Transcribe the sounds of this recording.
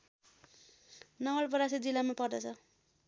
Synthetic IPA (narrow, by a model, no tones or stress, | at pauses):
nʌwalpʌɾasid͡zilamapʌrd̪ʌt͡sʰʌ